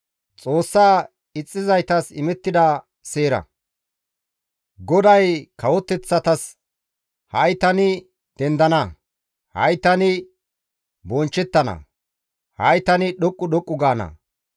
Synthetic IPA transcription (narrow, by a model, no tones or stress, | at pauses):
t͡sʼo̞ːsːaː | ɪt͡sʼːɪzɐjt̪ɐsɪmɛt̪ːɪd̪ɐ | seːɾɐ̰ | ɡɔd̪ɐjkʰɐwɔt̪ːɛt͡sːɐt̪ɐs | hɐjt̪ɐnɪ | d̪̥ɛnd̪ɐnɐ | hɐ̰jt̪ɐnɪ | bɔnt͡ʃːɛt̪ːɐnɐ̰ | hɐjt̪ɐnɪɗɔkʼːʊɗɔkʼːʊɡaːnɐ̰